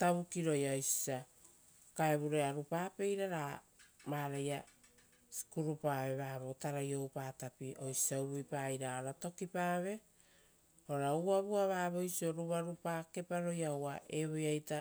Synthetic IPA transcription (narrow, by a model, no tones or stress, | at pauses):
taβukiɾo̞jaojsi̥sa | kaeβuɾeaɾupaːpe̞jɾaɾamaːɾaja | si̥kuɾupaːβe̞βaːβotaɾajo̞wpaːtapiʔo̞jsi̥saubuipaːjɾaoɾato̞kipaːβe̞ | oɾauaβuaβaːβo̞jsio̞ɾuβaɾupaːke̞paɾo̞jawaʔe̞βojajta